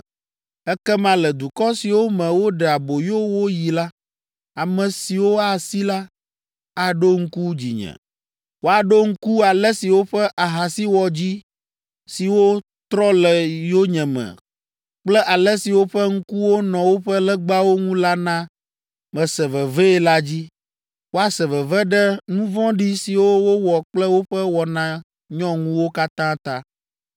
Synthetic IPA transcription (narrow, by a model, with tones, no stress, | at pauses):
ɛ˦kɛ˦mã˨lɛ˨d̪u˨kɔ˦si˨wo˦mɛ̃˨wo˦ɖɛ˨a˨bo˨jo˦wo˦ji˨la˦ | a˨mɛ̃˨si˨wo˦a˨si˦la˦ | a˨ɖo˦ŋ̩˦ku˦d͡ʑḭ˨ɲɛ̰̃˨ | wo˨a˨ɖo˦ŋ̩˦ku˦a˨lɛ˦si˨wo˦ɸɛ˦ʔa˨ɦa˨si˦wɔ˨d͡ʑi˦ | si˨wo˦ | t̪ɾɔ˦lɛ˨jo˦ɲɛ̃˨mɛ̰˨ | k͡plɛ˦ʔa˨lɛ˦si˨wo˦ɸɛ˦ŋ̩˦ku˦wo˦nɔ̃˨wo˦ɸɛ˦lɛ˦ɡ͡ba˦wo˦ŋũ˦la˦nã˦ | mɛ̃˨sɛ˨vɛ˨vɛ˦ɛ˦la˦d͡ʑi˦ | wo˦a˨sɛ˨vɛ˨vɛ˦ɖɛ˦nũ˦vɔ̃˦ɖi˦si˨wo˦wo˦wɔ˨k͡plɛ˦wo˦ɸɛ˦wɔ˨nã˨ | ɲɔ̃˦ŋũ˦wo˦ka˦t̪ã˦t̪a˦